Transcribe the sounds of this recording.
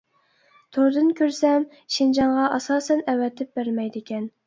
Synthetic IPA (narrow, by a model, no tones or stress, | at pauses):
t̪ʰoɾd̪ɨnkʲʰøɾsɛm | ʃind͡ʒɑŋʁɑʔɑsɑːsɛnɛwɛt̪ʰɪp̚bæɾmɛjd̪ɪkʲɛn